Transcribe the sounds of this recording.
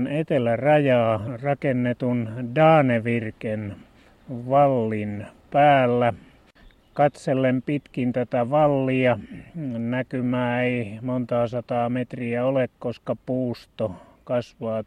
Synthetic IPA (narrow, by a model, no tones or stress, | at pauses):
net̪elærɑjɑːrɑkenːet̪undɑːneʋirken | ʋɑlːinpæːlːæ | kɑt̪selːempit̪kint̪æt̪æʋɑlːiɑ | nækymæːeimont̪ɑːsɑt̪ɑːmet̪riæolekkoskɑpuːst̪okɑsʋɑː